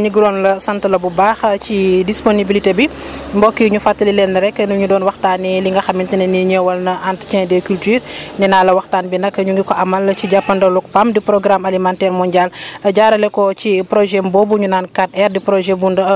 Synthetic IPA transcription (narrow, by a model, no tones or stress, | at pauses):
ɲiɡɾɔːnlɐsɐntəlɐbubaːxcidisponibilitebimbɔkːiɲufatːɐlilɛnːɐɾɛkːɛnuɲudɔːnwɐxtaːniliŋɡɐxɐmintinɐniɲɛwɐlnɐʔantt͡ʃɛ̃dɛkyltyːɾnɛnaːlɐwɐxtaːnbinɐkːɐɲuŋɡikɔʔɐmɐlɐciɟapːɐndɐluk̚pamdipɾɔɡɾamalimantɛɾmɔɲɟalɐɟaːɾɐlɛkɔcipɾɔʒɛmbɔbuɲunaːnkat̚ɛrdipɾɔʒɛbundɐ